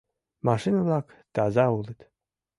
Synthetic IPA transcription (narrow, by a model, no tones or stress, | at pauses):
maʂinulˠakt̪aːzaulˠit̪